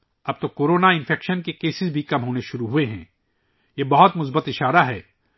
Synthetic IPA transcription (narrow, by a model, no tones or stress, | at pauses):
ɐb̚t̪okoːɾoːnaɪ̃nfʰɛːkʃənkekeːsɪzbʱikɐmɦoːneʃʊɾuɦueɦɛ̰̃ː | jebɐɦʊt̪mʊs̬bət̪ɪʃaːɾaɦɛː